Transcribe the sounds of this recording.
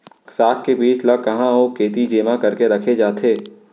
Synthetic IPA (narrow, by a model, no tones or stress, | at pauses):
saːkkebiːt͡ʃlakɐɦãɦokʰeːt̪id͡ʒeːmãkɐɾkeɾɐkʰed͡ʒaːt̪ʰeː